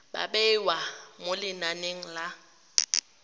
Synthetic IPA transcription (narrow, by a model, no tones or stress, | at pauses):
ɓa̰ɓɛwamolɪnaneŋ̩la